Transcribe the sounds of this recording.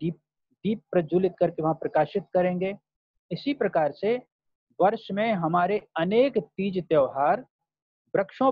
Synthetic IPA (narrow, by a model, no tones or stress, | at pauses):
i | d̪iːp̚ːɾɐd͡ʒuːlɪt̪kɐɾkeʋɐɦãpɾɐkaːʃɪt̪kɐɾẽːŋɡeː | ɪsipɾɐkaːɾse | ʋɐɾʃmẽɦɐmaːɾeɐneːkt̪iːd͡ʒt̪jəːɦaːɾ | bɾɐkʃõ